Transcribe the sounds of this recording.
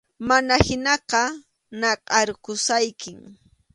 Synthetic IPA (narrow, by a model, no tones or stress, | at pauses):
manahɪnɑqɑ | nɑqʼɑɾkʊsajkɪŋ